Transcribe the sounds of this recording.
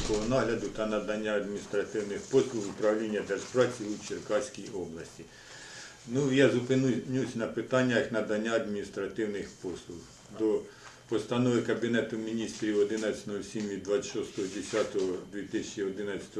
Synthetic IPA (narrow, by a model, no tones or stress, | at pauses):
kɔɦɔnɑɦlʲɐd̪ʊt̪ɐnɐd̪ɐnʲːaɐd̪mʲinʲist̪ɾɐt̪ɪwnɪxpɔslˠʊxʊpɾɐwlʲinʲːɐd̪erspɾɑt͡sʲiut͡ʃerkɑsʲkʲijɔblˠɐsʲtʲi | nujɑzʊpɪnunʲusʲnɐpɪt̪ɑnʲːɐjknɐd̪ɐnʲːaɐd̪̚mʲinʲist̪ɾɐt̪ɪwnɪxpɔslˠʊx | d̪ɔ | pɔst̪ɐnɔʋɪkɐbʲinɛt̪ʊmʲinʲist̪ɾʲiwɔd̪ɪnɐt͡sʲnɔɔsʲimʋʲid̪ʋɑʃɔst̪ɔɦɔd̪ʲesʲɑt̪ɔɦɔd̪ʲʋʲit̪ɪsʲɛt͡ʃiɔd̪ɪnɐt͡sʲsʲɐ̥t̪ɔ